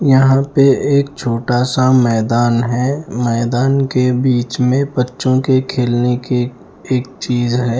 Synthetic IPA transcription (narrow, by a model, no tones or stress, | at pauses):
jɐɦãpeeːkt͡ʃʰoːʈaːsamɛːd̪aːnɦɛːmɛːd̪aːnkebiːt͡ʃmẽbətːʃõkekʰeːlneke | eːk̚t͡ʃiːzɦɛː